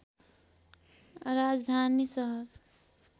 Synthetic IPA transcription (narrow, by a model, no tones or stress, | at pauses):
rad͡zd̪ʱanisʌɦʌr